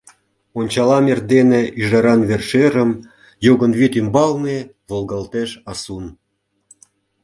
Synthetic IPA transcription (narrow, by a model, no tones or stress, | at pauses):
onʲt͡ɕɑlɑmerd̪eneʔyʒɑɾɑnβerʃeɾə̆m | joɣə̆nβit̪ymbɑlne | βolˠɣɑlt̪eʃɑsun